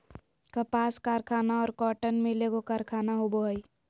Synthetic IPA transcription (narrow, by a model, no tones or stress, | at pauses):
kəpaːskaːɾkʰaːnaɔːɾkɔːʈənmɪleɡokaɾkʰaːnaɦoboɦəi